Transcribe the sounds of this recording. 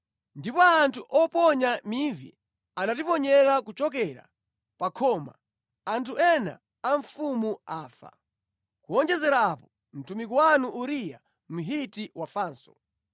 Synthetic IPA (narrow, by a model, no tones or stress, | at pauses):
ndipɔantʰuʔɔpɔɲamivḭ | anatipɔɲɛɾakut͡ʃɔk̬ɛɾa̰ | pakʰɔːma̰ | antʰuɛna̰ː | ɱfumuaːfa̰ | kuɔnd͡ʒɛzɛɾaːpɔ | m̩tʰumikuwanuʔuɾija̰ | m̩ɦitiwafaːnsɔ̰